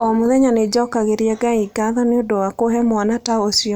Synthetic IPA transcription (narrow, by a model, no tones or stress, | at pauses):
ɔmoðɛɲaned͡ʒɔkaɣeɾiɛɡaiɡaðɔneodowakoɦɛmwanataosiɔ